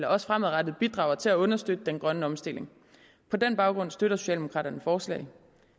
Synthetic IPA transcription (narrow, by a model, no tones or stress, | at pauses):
lɐɒ̽sfʁamæðˠʁɑd̥ð̩ˠb̥id̥ʁɑ̈ʊɐt͡sʰe̝læɔ̽nɐsd̥ød̥əd̥enɡ̥ʁɶnəɒ̽msd̥e̝le̝ŋ | pʰɒ̽d̥enb̥ɑ̈ʊɡ̥ʁɔ̽n̰sd̥øɾɐso̝ɕɛ̰ːld̥emokʰʁɑ̰ːdɾɐnəfɒːslɛ̰ɪ